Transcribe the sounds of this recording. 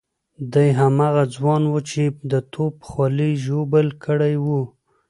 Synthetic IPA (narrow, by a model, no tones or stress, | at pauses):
d̪ajɦamɑɣad͡zwɑnwət͡ʃed̪ət̪ʰopə̥xwɑliʒobəlkʰəɽajwu